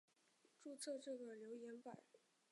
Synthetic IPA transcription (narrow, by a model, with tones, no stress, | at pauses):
ʈ͡ʂu˥˧t͡sʰɤ˥˧ʈ͡ʂɤ˥˩ɡə˩ljo˧˥ʊjɛ˧˥npa˨˩˦